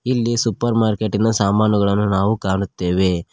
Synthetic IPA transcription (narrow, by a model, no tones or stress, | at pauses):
ilːisupɐɾmaːɾke̞ʈːinɐsaːmaːnuɡɐɭɐnːunaːʋukaːɳut̪ːe̞ːʋe̞